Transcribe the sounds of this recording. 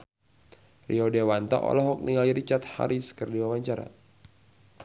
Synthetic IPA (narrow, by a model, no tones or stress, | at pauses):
riɔdewant̪a̰ʔɔ̰lɔɦɔk̚niŋaliɾit͡ʃat̪̚ha̰ɾisə̥kərdiwawaɲt͡ʃaɾa̰